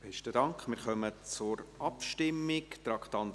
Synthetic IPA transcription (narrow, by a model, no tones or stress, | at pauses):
b̥ɛstədɑŋkχmɪːɾχœmət͡sʊɾʔɑpʃtɪmːɪkt̪ɾɑkt̪ɑnd